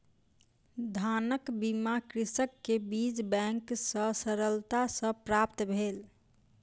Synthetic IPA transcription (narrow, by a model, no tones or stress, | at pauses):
d̪ʱanəkbimakɾisəkːebid͡ʒbɛ̃ŋksə̃səɾəlt̪asə̃pɾap̚t̪bʱel